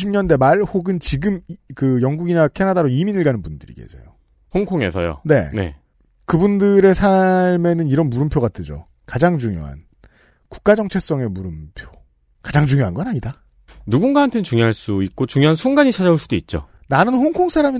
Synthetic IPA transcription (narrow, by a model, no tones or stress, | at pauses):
ɕʰimɲʌnde̞maɭhoɡɯnt͡ɕiɡɯmkɯjʌŋɡuɡinakʰe̞nadaɾoiminɯɭɡanɯnbundɯɾḭɡe̞̰sʰḛjo | hoŋkʰoŋe̞̰sʰʌ̰jo̰ne̞̰ne̞̰ | kɯbundɯɾe̞sʰaɭme̞nɯniɾʌnmuɾɯmpʰjoɣat͈ʰɯd͡ʑo̰ | kad͡ʑaŋt͡ɕuŋjo̰ɦa̰n | ku̥k̚k͈ad͡ʑʌŋt͡ɕʰe̞k̚s͈ʌŋe̞muɾɯmpʰjo | kad͡ʑaŋd͡ʑuŋjoɦanɡʌnaɲida | nuɡunɡaɦantʰent͡ɕuŋjoɦaɭs͈uit̚k͈ot͡ɕuŋjoɦansʰuŋɡaɲit͡ɕʰad͡ʑauɭs͈udoit̚t͡ɕ͈o̰ | nanɯnɸoŋkʰoŋsʰaɾami